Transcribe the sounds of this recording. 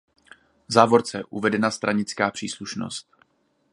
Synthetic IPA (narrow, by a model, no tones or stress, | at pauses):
zaːvo̞ɾt͡sɛʔuvɛdɛnast̪ɾʔaɲɪt͡skaːpr̥iːsluʃno̰st̪̚